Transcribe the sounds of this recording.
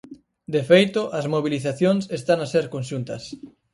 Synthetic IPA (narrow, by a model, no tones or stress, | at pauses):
d̪efejt̪ʊʔɐzmoβ̞iliθaθjonsest̪aŋaseɾkonʃunt̪ɐs